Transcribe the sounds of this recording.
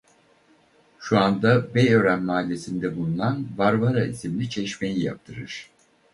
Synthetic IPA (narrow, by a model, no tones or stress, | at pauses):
ʃuand̪abejø̞ɾænmaːlʲːe̞sind̪ɛbulˠunanvaɾvaɾaisimlʲit͡ʃʰɛʃme̞jija̰p̚t̪ʰɯɾɯɾ̥